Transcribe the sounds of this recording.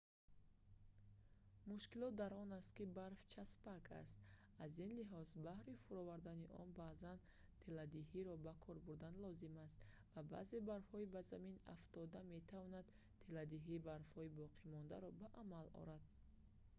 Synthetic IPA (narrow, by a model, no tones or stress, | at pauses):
muʃkilɔt̪̚d̪aɾɔnast̪kibaɾft͡ʃʰaspakʰa̰st̪ | azinliɦɔzbahɾifuɾɔvaɾd̪aniʔɔ̰nbaːzan | t̪ʰelad̪iɦiɾɔbakʰɔɾbuɾd̪anlɔzimast̪ | vaba̰ze̞baɾfhɔibazamina̰ft̪ɔd̪ame̞t̪ʰavɔnad̪̥ | t̪ʰelad̪iɦiːbaɾfhɔibɔqʰimɔnd̪a̰ɾɔbaʔamalɔ̰ɾad̪̥̚